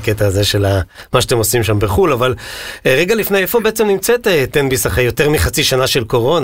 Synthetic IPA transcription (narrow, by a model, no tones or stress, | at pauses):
ket̪aːze̞ʃe̞lamaʃat̪emo̞simʃambeχulavalʁeɡalifnejefo̞be̞et͡semnimt͡set̪et̪enbisaχajo̞teʁmiχat͡siʃanaʃe̞lko̞ʁo̞n